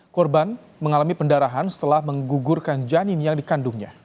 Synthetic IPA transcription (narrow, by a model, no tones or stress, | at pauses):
kɔrban | məŋalamipəndaɾaɦansə̥t̪əlahməŋɡuɡʊrkand͡ʒanɪmjaŋdikandʊŋɲa̰